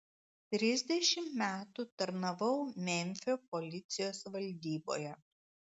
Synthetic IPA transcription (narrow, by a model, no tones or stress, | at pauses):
t̪ʲɾʲɪzʲd̪ʲɛʃʲɪmmʲæːt̪ut̪ɐɾnɐʋɐʊmʲɛmʲfʲoːpɔlʲɪt̪sʲɪjoːsʋɐlʲd̪ʲiːbo̰ːjɛ